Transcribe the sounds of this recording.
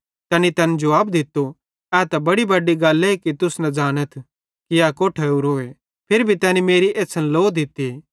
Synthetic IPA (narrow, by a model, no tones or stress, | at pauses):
t̪ɛːnit̪ɛːned͡ʒʊʋaːbd̪ɪt̪ːo | ɛːt̪ɐbɐɽibɐɖiɡɐlːɛikit̪ʊsnɐ̃d͡ʒaːnət̪ʰ | kiaːkoːʈʰɛuɾɦoːe | pʰɪɾbʱit̪ɛːnimeːɾiʔeːsɐnloːd̪ɪt̪ːi